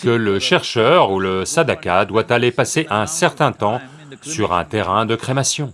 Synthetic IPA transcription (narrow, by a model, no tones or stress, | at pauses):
kələʃɛʁʃœʁuləsad̪akad̪wat̪alepaseʔɛ̃sɛʁt̪ɛ̃t̪ɑ̃ | syʁɛ̰̃t̪eʁɛ̃d̪əkχemasjɔ̃